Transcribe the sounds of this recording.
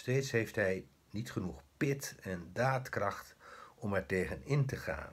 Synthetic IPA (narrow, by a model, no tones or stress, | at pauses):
steːtsɦejftɦɛj | nitχənuχpɪtɛndaːtkrɑχtʔɔmɛɹtejχənɪntəχa̰ːn